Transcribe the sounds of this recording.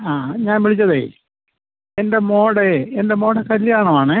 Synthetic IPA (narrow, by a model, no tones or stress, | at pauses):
aːɲaːnʋiɭit͡ɕːɐðḛː | ende̞mo̞ːɽɨende̞mo̞ːɽɐkɐlːijaːɳɐʋaːɳɨ